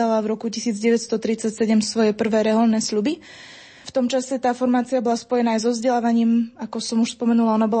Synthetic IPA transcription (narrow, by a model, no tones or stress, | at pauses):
alavɾɔkucisiːd͡zɟɛʋɛcst̪ɔt̪ɾit͡sacsɛɟɛmsʋɔjɛpr̩ʋɛːɾɛɦɔlnɛːsʎubi | ft̪ɔmt͡ʃasɛt̪aːfɔɾmaːt͡siabɔlaspɔjɛnaːajzɔvzɟɛlaːʋaɲiːmakɔsɔmuʃspɔmɛnulaɔnabɔl